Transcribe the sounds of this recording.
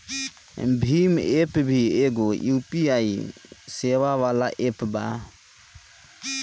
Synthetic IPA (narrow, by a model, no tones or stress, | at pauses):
bimɛpbiɛɡɔiupiajsɛβaβalaʔɛpba̰